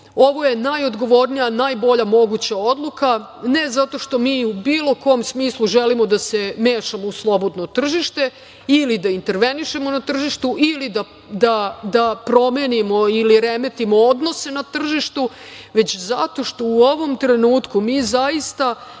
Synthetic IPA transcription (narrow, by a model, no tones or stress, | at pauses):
o̞ʋo̞je̞najo̞d̪ɡo̞ʋo̞ɾnijanajbo̞ʎamo̞ɡut͡ɕao̞d̪lˠuka | ne̞zat̪o̞ʃt̪o̞miːubiːlˠo̞ko̞ːmsmiːslˠuʒelimo̞d̪ase̞meːʃamouslˠo̞bo̞d̪not̪r̩ʒiʃt̪e̞ | ilid̪aint̪e̞ɾʋe̞niʃe̞mo̞nat̪r̩ʒiʃt̪uʔilid̪a | d̪ad̪apɾo̞menimo̞iliɾemet̪imo̞od̪no̞se̞nat̪r̩ʒiʃt̪u | ʋe̞t͡ɕzat̪o̞ʃt̪o̞uo̞ʋo̞mt̪ɾe̞nuːt̪kumiːzaist̪a